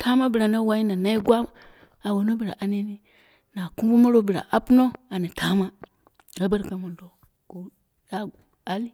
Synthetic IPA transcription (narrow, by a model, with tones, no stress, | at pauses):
tʰa˦ma˦bi˨ɾa˨na˦wa˦i˦na˨na˦i˦ɡwa˦ | a˨wo˨no˦bi˨ɾa̰˨ʔa˦ni˦ni˦ | na˨ku˦ɡu˦ma˦ɾo˦bi˨ɾa̰˨ʔa˦pu˦no˦a˨ni˨tʰa˦ma˦ | a˦ba˦ɾka˨mo˨ndo˨ | ɡ̥o˨ | ja˦˨ | a˦li˦